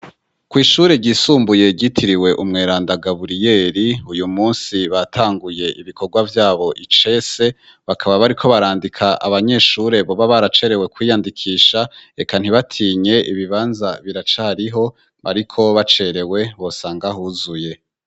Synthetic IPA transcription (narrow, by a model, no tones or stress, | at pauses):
kwiːʃuɾe̞ɟiːsuːmbuje̞ɟitʰiɾiwe̞ʔumŋe̞ːɾaːndaɡaβuɾije̞ɾiujumuːnsiβatʰaːŋɡuje̞ʔiβikʰo̞ɾɡwavjaːβo̞ʔit͡ʃe̞se̞ | βakʰaβaβaɾikʰo̞βaɾaːndikʰaʔa̰βaɲe̞ʃuːɾe̞βo̞βaβaɾat͡ʃe̞ɾe̞we̞kwiːjandikʰiːʃaekan̥hiβatʰiːɲe̞ʔiβiβaːnzaβiɾat͡ʃaːɾiɦo̞ | βa̰ɾikʰo̞βat͡ʃe̞ɾe̞we̞βo̞saːŋɡahuzuje̞